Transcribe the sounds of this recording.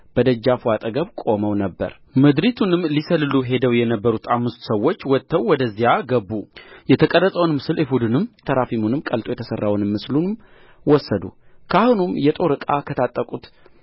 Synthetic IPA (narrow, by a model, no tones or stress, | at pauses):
b̥əd̪əd͡ʒːafuat̪ʼəɡəβkʼo̞məwnəbːə̰ɾ | mɨd̪ɾit̪ʰunɨmlisəlɨluɦe̞d̪əwjɛnəbːəɾut̪ʰamːɨst̪səwːot͡ʃːwɔt̪ʰːəwːɔd̪əzːijaɡəbːujɛt̪ʰəkʼəɾːəsʼəwnmɨsɨlihud̪ɨnɨmt̪ʰəɾafimunɨmkʼəlt̪ʼojɛt̪ʰəsərːawnɨmːɨslunɨm | wɔsːəd̪ṵkʰahunumjɛt̪ʼo̞ɾɨkʼakʰət̪ʰat̪ʼːəkʼut̪